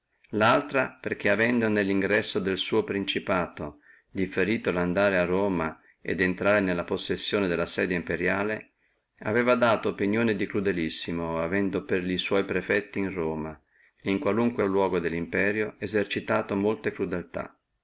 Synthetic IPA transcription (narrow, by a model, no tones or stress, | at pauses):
lalt̪ɾaperk̟eavɛnd̪onelːiŋɡɾɛsːod̪elsuːopɾint͡ʃipaːt̪o | d̪ifeɾiːt̪oland̪aːɾearːoːma | ḛd̪ent̪ɾaːɾenelːaposːesːjoːned̪elːasɛːd̪eimpeɾjaːle | a̰vɛːvad̪aːt̪oːpinjoːned̪ikɾud̪elisːimoavɛnd̪operʎiswɔjpɾefɛt̪ːiːnroːma | iŋkwaluŋkwelwɔːɡod̪elːimpɛːɾjoezert͡ʃit̪aːt̪omolt̪ekɾud̪elt̪a̰